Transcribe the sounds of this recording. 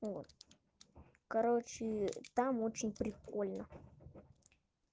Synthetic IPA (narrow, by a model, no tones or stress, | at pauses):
vot̪ | kɐɾot͡ɕɪt̪amot͡ɕɪnʲpɾʲɪkolʲnə